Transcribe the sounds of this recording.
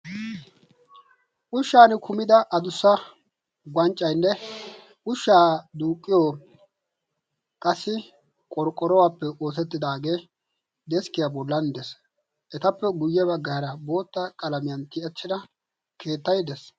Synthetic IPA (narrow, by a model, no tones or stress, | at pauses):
ʔʊʃːaːnɪkʊmɪd̪ɐʔɐd̪ʊsːɐ | ɡɐnt͡ʃʼːɐjnːɛ | ʔʊʃːaːd̪uːkʼːɪjoː | kʼɐsːɪ | kʼɔɾkʼːɔɾɔwaːpːɛo̞ːsɛt̪ːɪd̪aːɡe̞ː | d̪ɛskɪjabɔlːɐnd̪ɛs | ʔɛt̪ɐpːɛɡʊjːɛβɐɡːɐɐɾɐbo̞ːt̪ːɐkʼɐlɐmɪjɐnt̪ɪɛt͡ʃːɪd̪ɐ | kʰe̞ːt̪ːɐjd̪ɛs